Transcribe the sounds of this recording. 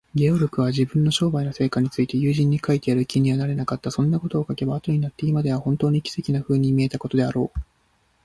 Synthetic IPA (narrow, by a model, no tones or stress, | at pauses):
ɡʲeoɾʲokɯ̟β̞aʑibɯ̟̃nːo̞ɕo̞ːbaino̞se̞ːkaɲ̟it͡sɨit̪e̞jɯ̟ːʑĩɲ̟ːikait̪e̞jaɾɯ̟kʲiɲ̟iβanaɾe̞nakat̪ːasõ̞nːako̞t̪o̞ːkake̞baːt̪o̞ɲ̟inat̪ːe̞imad̪e̞β̞ahõ̞nt̪o̞ːɲ̟ikʲi̥se̞kʲinaɸɯ̟ːɲ̟imʲie̞t̪ako̞t̪o̞d̪e̞aɾo̞ː